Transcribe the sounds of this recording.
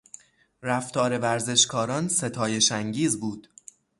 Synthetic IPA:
ræft̪ɒːɾe̞væɾze̞ʃkʰɒːɾɒːnse̞t̪ʰɒːje̞ʃæŋɟiːzbuːd̪̥

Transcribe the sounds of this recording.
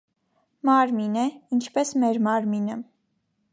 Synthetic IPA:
mɑɾminəint͡ʃʰpɛsmɛɾmɑɾminə

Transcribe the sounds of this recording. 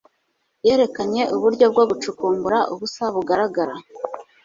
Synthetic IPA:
je̞ːɾe̞kaɲe̞ʔuβuɾɟo̞b̚ɡo̞ɡut͡ʃukuːŋɡuɾaʔuβusaβuɡaɾaɡaɾa

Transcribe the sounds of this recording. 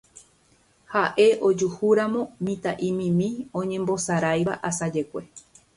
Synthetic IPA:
haʔe̞ʔod͡ʒuhuɾãmõ̞mĩt̪aʔĩmĩmĩõ̞ɲẽ̞mbo̞saɾajβa̰ʔasad͡ʒe̞kʷe̞

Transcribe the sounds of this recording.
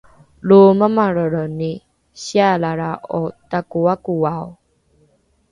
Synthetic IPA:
luməmaɾəɾəni | ɕialaɾaʔotakuakuwaw

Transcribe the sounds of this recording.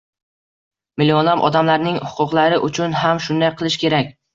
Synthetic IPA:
mɪlɒnamʔɒ̰d̪amlaɾnɪŋhʊ̥qʰʊqlˠaɾɪʔʊt͡ʃʰʊnɦamʃʊnd̪ajqʰɨlˠɪʃkʲe̞ɾak̚ʲ

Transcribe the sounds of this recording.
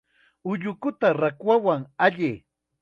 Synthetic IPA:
ʊʎʊkʊt̪aɾakwawaŋaʎɪ

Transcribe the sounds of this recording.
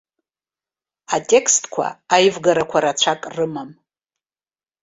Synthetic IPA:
atʼe̞kʰstʼkʷʰa̰ajvɡaɾakʷʰaɾat͡ɕʷʰakʼrɨmam

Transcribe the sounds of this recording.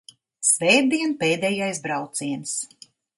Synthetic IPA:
svɛːdd̪iɛnpeːd̪ɛjajsbɾawt̪siɛns

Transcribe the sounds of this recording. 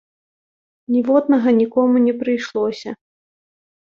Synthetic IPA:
nʲivɔd̪nɐɣɐnʲikɔmunʲɛpɾɨjʂlˠɔsʲɐ

